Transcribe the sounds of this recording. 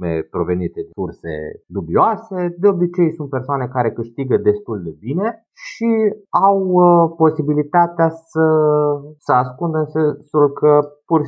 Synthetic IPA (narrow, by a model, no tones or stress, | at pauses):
mḛpɾo̞ve̞nit̪ed̪ursḛd̪ubioase̞d̪eo̞bit͡ʃe̞jsunt̪̚persoane̞kaɾe̞kɨʃt̪iɡəd̪e̞st̪uld̪e̞bine̞ | ʃiawpo̞sibilit̪at̪easə | səaskund̪ənsesulkəpur